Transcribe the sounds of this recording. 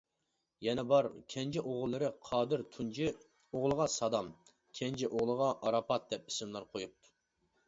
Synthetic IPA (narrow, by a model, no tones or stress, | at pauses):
jɛnɛbɑɾkʲʰɛnd͡ʒɛʔoʁlˠːɨɾɨqʰɑːd̪ɪɾt̪ʰund͡ʒi | oʁlˠəʁɑsɑd̪ɑm | kʲʰɛnd͡ʒɛʔoʁlˠəʁɑʔɑɾɑpɑt̪̚d̪̥ɛp̚i̥sɪmlˠɑɾqʰojup̚t̪ʰu̥